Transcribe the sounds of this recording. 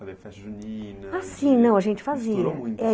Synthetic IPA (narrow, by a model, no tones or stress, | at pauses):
asĩnɐ̃w̃ɐʒẽnt͡ʃɪ̥faziɐɛ